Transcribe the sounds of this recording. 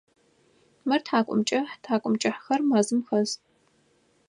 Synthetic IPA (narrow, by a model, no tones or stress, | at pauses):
mɨrtʰaːkʷʼʊ̰mt͡ʃʼɐħtʰaːkʷʼʊmt͡ʃʼɐħxɐrmaːzɨmxɐz